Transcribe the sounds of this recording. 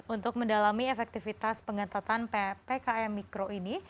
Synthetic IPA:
unt̪ʊk̚məndalamiefɛk̚t̪ifit̪aspəŋat̪at̪anpepekaɛmikɾoini

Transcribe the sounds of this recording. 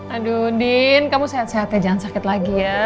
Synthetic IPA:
aduninkamusaat̪saɦat̪ɲad͡ʒaŋansakɪt̪laɡija

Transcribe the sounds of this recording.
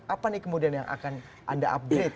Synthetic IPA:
ʔapanikəmudianja̰ŋʔa̰kan | ʔa̰daʔa̰p̚dɾet̪

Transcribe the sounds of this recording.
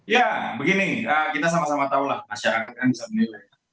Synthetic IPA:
jabəɡiniəkit̪as̬amasamat̪aulahmaʃaɾakat̪̚kanbisamənilaj

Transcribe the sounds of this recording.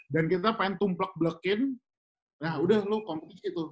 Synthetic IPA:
dankit̪apaɪnt̪ʊmplək̚bləkɪn | nahudəhlʊkɔmpət̪ikit̪ʊ

